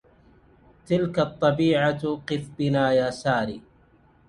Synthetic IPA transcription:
t̪ɪlkat̪ˤːɑbiːʕaqɨfbɪnaːjaːsaːɾiː

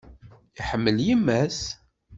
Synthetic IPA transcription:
iħəmːəljimːæs

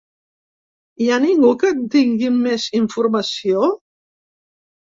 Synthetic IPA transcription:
ianiŋɡukənt̪iŋɡimːeziɱfuɾməsio

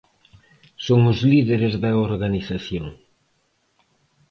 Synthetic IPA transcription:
soŋʊzliðeɾezðɐoɾɣaniθaθjoŋ

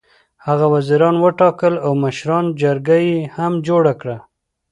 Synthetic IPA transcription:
haɣawaziɾɑnwəʈɑkəlawməʃɾɑnd͡ʒaɾɡajehamd͡ʒoɽakɽa

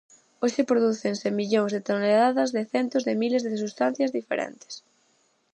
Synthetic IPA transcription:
oʃɪpɾoðuθeŋsemiʎoŋzðet̪oneðaðɐzðeθɛnt̪ozðemilezðesust̪an̟θjazðifḛɾʔɛ̰nt̪e̥s

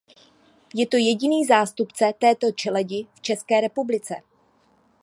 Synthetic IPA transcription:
jɛt̪o̞jɛɟɪniːzaːst̪upt͡sɛt̪ɛːt̪o̞t͡ʃɛlɛɟɪft͡ʃɛskɛːɾɛpublɪt͡sɛ̰

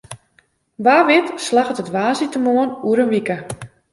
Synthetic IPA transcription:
baːʋɪtslaxətətʋaːzitəmoənuəɾənʋikə

